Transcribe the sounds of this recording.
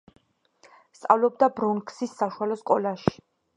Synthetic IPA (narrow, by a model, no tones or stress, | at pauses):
st̪sʼa̰vlɔb̚d̪abɾunkʰsisːaʃualɔskʼɔlaʃi̥